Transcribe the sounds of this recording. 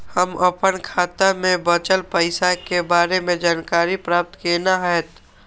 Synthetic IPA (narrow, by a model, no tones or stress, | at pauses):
həməpənkʰaːt̪amẽbət͡ʃəlpəɪsakebaːɾemẽd͡ʒaːnkaːɾipɾaːp̚t̪kenaɦɛːt̪